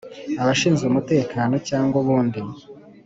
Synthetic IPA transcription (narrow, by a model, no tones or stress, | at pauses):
aβaʃiːnzɡeumute̞ːkaːno̞caːŋɡuβuːndi